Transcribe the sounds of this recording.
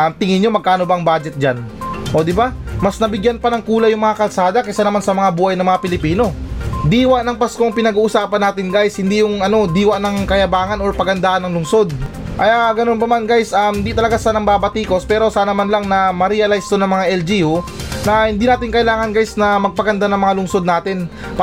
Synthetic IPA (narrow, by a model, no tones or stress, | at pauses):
amt̪ɪŋɪnomɐɡ̚kaːno̞baʔŋbad͡ʒɛt̪̚d͡ʒanʔo̞ːd̪ɪbamɐsnɐbɪɡjanpɐnɐŋkuːlɐjʊŋmɐŋakɐlsaːd̪ɐkɐjsanɐmansɐmɐŋabuːhɐjnɐŋmɐŋapɪlɪpiːno̞d̪iːwaʔnɐŋpɐskoɐŋpɪnɐɡuːʔʊsaːpɐnːaːt̪ɪnɡajshɪnd̪ijʊŋɐno̞d̪iːwɐʔnɐŋkɐjɐbaːŋɐnoɹpɐɡɐnd̪aːʔɐnːɐŋlʊŋso̞d̪̚ | ʔɐjaɡɐno̞npɐmanɡajsʔamhɪnd̪it̪ɐlɐɡasaːnɐŋbaːbɐt̪iːko̞spɛːɾo̞saːnɐmanlɐŋnɐmɐɾiɐlajst̪onɐŋmɐŋaʔɛld͡ʒiunɐhɪnd̪iːnaːt̪ɪŋkɐʔɪlaːŋɐnɡajsnɐmɐɡ̚pɐɡɐnd̪anɐŋmɐŋalʊŋso̞d̪naːt̪ɪn | p